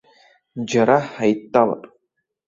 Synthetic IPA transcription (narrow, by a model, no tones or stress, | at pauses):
d͡ʒaɾaħajtːala̰pʼ